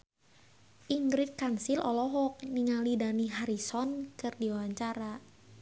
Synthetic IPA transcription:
ʔiŋɡɾit̪̚kansilɔlɔɦɔk̚niŋalidaniɦaɾisɔnkɨrdiwawaɲt͡ʃaɾa

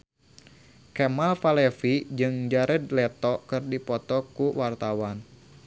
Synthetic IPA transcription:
kɛmalfalɛfid͡ʒɨŋd͡ʒaɾɛdlɛt̪ɔkɨrdipɔt̪ɔkuwart̪awan

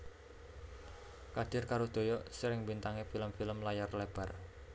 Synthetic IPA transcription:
kad̪̥ɪrkaɾud̪̥o̤jɔsəɾɪŋbint̪aŋefiləmfiləmlajarleb̥a̤r

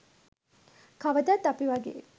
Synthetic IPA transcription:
kaʋəd̪at̪ːapiʋaɡḛː

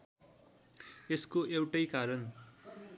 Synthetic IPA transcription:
eskoewʈʌjkaɾʌn

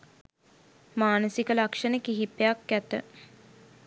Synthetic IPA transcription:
maːnəsikəlakʂənəkiɦipejakːæt̪ə̰

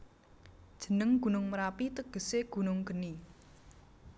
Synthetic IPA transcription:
d̥ʒ̥ə̤nəŋɡ̥ṳnʊŋməɾapit̪əɡ̥ə̤seɡ̥ṳnʊŋɡ̥əni

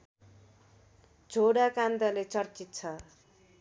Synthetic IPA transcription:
d͡zʱoɽakand̪ʌlet͡sʌrt͡sit̪t͡sʰʌ

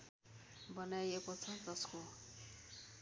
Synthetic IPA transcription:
bʌnajekot͡sʰʌd͡zʌsko

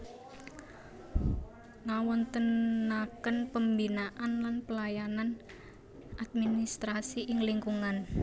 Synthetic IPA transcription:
ŋawɔnt̪ənːakənpəmbinaʔanlanpəlajanan | ʔad̪̚minist̪ɾasiʔɪŋliŋkuŋan

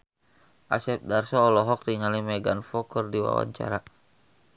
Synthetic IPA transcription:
ʔasɛp̚darsɔːlɔɦɔk̚tiŋalimɛɡanfɔkɨrdiwa̰wa̰ɲt͡ʃa̰ɾa

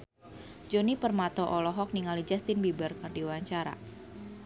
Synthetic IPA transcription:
d͡ʒɔnipərmat̪ɔʔɔlɔɦɔk̚niŋalid͡ʒast̪ɪnbibərkɨrdiwaɲt͡ʃaɾa̰

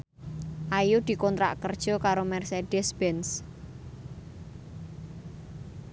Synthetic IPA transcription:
ʔajud̪̥i̤kɔnt̪ɾa̰ʔkərd̥ʒ̥ɔ̤kaɾomɛrsed̥ɛsb̥ɛns

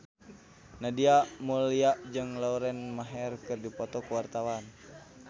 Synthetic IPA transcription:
nadiaʔmuliaʔd͡ʒɨŋlauɾɛnmaɦɛrkɨrdipɔt̪ɔkuwart̪awan

